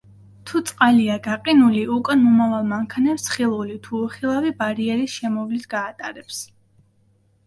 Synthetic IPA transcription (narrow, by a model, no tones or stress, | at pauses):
t̪ʰut̪sʼqʼaliaɡaqʼinuliʔukʼanmɔmavalˠmaŋkʰanɛpsχilˠulit̪ʰuːχilˠavibaɾiɛɾisʃɛmɔvlit̪ʰɡ̥aːt̪ʼaɾɛps